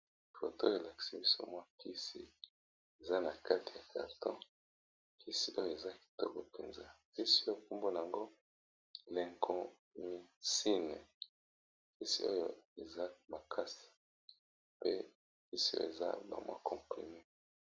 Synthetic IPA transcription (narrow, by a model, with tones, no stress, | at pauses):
fo˨to˦˨e˨la˨ki̥˨si˦bi˦so̰˦mwa˦ki˦si˨ | e˨za˦na˨ka˦ti˨ja˨ka̰˨ʁtɔ̃˦ | kʰi˦si˨ʔo˦jo˨e˨za˦ki̥˨tɔ˦ko˨pe˨nza˦ki˦si˦o˦jo˦˨ku˦mbo˦na˨a˨ŋɡo˦˨ | le˨ŋɡo˨ | mi˨si˦nɛ˨ | ki˦sḭ˨o˦jo˦e˨za˦ma˨kʰa˦si̥˨ | pe˦ | ki˦si˨o̰˦jo̰˦˨e˨za̰˦ba̰˨mwa̰˦kɔ̃˨pʁḭ˨me˦